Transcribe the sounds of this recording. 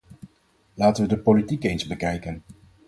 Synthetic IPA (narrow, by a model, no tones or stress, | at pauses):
laːtəʋədəpolitikejnzbəkɛjkən